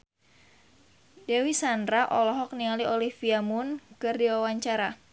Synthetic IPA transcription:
dewisandɾaʔɔlɔɦɔk̚nialiolihfiamʊnkɨrdiwawaɲt͡ʃaɾa

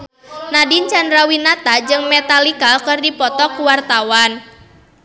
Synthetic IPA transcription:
nadint͡ʃandɾawinat̪ad͡ʒɨŋmet̪alikalkɨrdipɔt̪ɔkuwart̪awan

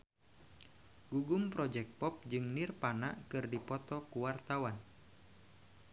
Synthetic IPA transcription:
ɡ̥uɡumpɾɔd͡ʒɛk̚t̪̚pɔp̚d͡ʒɨŋnirpana̰ʔkɨrdipɔt̪ɔkuwart̪awan

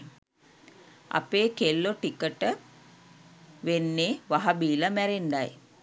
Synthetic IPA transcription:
a̰peːkelːoʈikəʈə | ʋenːeːʋaɦabiːlamæɾend̪aj

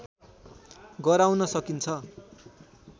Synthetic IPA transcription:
ɡʌɾawnʌsʌkint͡sʰʌ

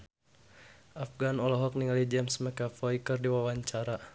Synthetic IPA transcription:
ʔafɡanɔlɔɦɔk̚niŋalid͡ʒɛmsmɛkafɔikərdiwawaɲt͡ʃaɾa

